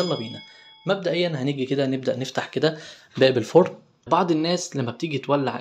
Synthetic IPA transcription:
ɑlːɑbiːnæ | mæb̚d̪æʔejːænhæniːɡiked̪æneb̚d̪æʔneft̪aħked̪æbæʔbelfoɾ | bɑʕd̪ˤenːæːslæmːæb̚t̪iːɡit̪wælːa̰ʕ

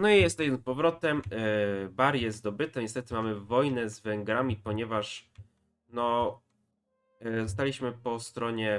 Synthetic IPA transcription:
nɔijɛst̪ɛɕmɘpɔvɾɔt̪ɛm | baɾjɛzd̪ɔbɘt̪ɛɲɛst̪ɛt̪ɘmamɘvɔjnɛzvɛŋɡɾamʲipɔɲɛvaʂ | nɔ | ɔst̪alʲiɕmɘpɔst̪ɾɔɲɛ

